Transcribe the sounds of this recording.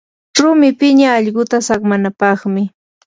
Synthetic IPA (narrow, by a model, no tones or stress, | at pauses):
ɾʊmɪpɪɲaːʎɢʊt̪asaχmanapɑχmɪ